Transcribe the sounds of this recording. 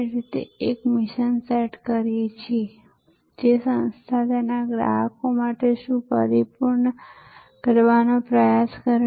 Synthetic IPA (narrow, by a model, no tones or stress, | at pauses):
ɾit̪ḛekmɪʃənseʈkəɾijet͡ʃʰie | d͡ʒesə̃nst̪ʰat̪enaɡɾa̰ɦəkomaʈeʃũpəɾipuɾnə | kəɾʋanopɾəjaskəɾ